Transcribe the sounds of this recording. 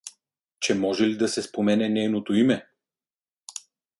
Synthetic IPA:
t͡ʃɛmɔʒɛlid̪ɐsɛspomɛnɛnɛjnot̪oimɛ

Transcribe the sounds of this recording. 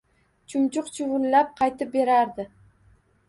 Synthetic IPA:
t͡ʃʰʊmt͡ʃʊqt͡ʃʰʊwʊlːap̚qʰɑjt̪ʰɪp̚be̞ɾaɾd̪ɪ

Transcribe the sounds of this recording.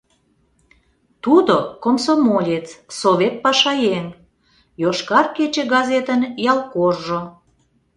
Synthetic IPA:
t̪ud̪okomsomolʲet͡ssoβʲet̪̚pɑʃɑjeŋ | joʃkɑrket͡ɕĕɡɑzet̪ənjɑlˠkorʒo

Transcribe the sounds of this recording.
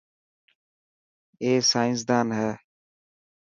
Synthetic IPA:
eːsaːɪns̬d̪aːnɦɛː

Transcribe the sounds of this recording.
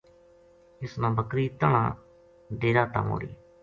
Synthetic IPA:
ɪsnãːbəkɾiːt̪əɳã̰ː | ɖeːɾaːt̪ə̰mɦo̰ːɽḭː

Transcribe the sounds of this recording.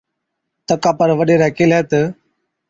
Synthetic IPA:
t̪əkaːpəɾʋəɗeːɾɛːkeːlɛːt̪ə

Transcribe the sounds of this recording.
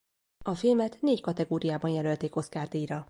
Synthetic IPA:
ɒfilmɛt̪neːckɒt̪ɛɡoːɾijaːbɒnjɛlølt̪eːko̞skaːrd̪iːɾɒ

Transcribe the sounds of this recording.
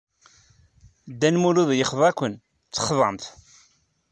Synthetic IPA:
d̪ːænmuluðjəχðˤækʷːən | t͡sːə̥χðˤəmθ

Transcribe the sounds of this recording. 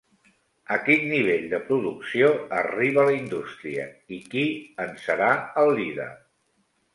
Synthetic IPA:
əkinːiβ̞eʎd̪əpɾuðuksioəriβ̞ələind̪ust̪ɾiə̰ikiənsəɾaəlˠd̪iðə̰

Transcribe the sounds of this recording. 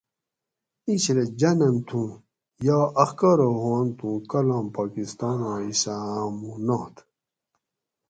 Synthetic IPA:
iɕɾed͡ʑɐnɐnt̪ʰũ | jɑːʔɐxkɐɾoɦoːnt̪ũkɐlãːmpaːkist̪ɑːnãːisamunaːt̪ʰ

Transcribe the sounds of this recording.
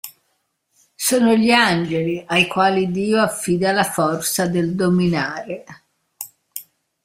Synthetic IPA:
soːnoʎiand͡ʒeliajkwaːlid̪iːoafːiːd̪alafɔrt̪sad̪eld̪ominaːɾe

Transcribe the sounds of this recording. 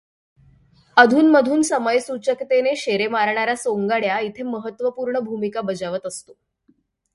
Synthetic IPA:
əd̪ʱuːnməd̪ʱuːnsəməjsut͡ɕəkt̪eneɕeɾemaɾɳaɾasoŋɡaɽjait̪ʰeməɦət̪ːʋəpuːɾɳəbʱumikabəd͡zaʋət̪əst̪o

